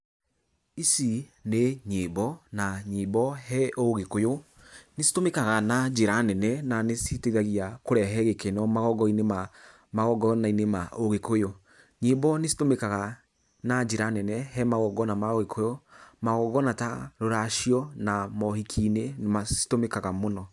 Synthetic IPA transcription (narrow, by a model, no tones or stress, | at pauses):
isineɲebɔnaɲebɔɦɛʔoɣekojo | nesi̥tomekaɣanad͡ʒeɾanɛnɛnanesiteɣaɣiakoɾɛɦɛɣekenɔmaɣɔɡɔinema | maɣɔɡɔnainemaoɣekojo | ɲebɔnesi̥tomekaɣa | nad͡ʒeɾanɛnɛɦɛmaɣɔɡɔnamaoɣekʰojomaɣɔɡɔnataɾoɾaʃiɔnamɔhikʰiːnenemasi̥tomekaɣamonɔ